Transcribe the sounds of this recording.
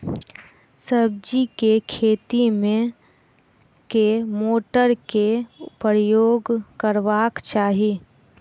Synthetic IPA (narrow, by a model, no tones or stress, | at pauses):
səb̚d͡ʒikekʰeːt̪imẽ | kemoːʈəɾkepɾjoːɡkəɾʋaːkt͡ʃaːɦi